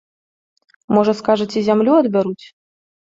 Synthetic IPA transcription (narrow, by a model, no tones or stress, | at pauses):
mɔʐɐskaʐɐt͡sʲizʲamlʲuɐd̪bʲaɾut͡sʲ